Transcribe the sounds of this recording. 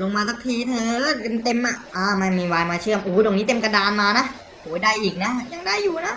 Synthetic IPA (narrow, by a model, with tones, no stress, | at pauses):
lo˧ŋmaː˧sa˦˥k̚t̪ʰiː˧˩t̪ʰɤː˧˦˥t̪e˧nt̪e˧mʔa˨˩ʔaː˧˩ma˧˥˩nmiː˧waː˧jmaː˧t͡ɕʰɯ˥˩əmʔuː˨˦do˨˩ŋniː˦˥t̪e˧mka˧daː˧nmaː˧na˦˥ʔ | huː˩˦jdaː˥˩jʔiː˨˩k̚na˦˥ʔja˧ŋdaː˥˩jːuː˨˩na˦˥ʔ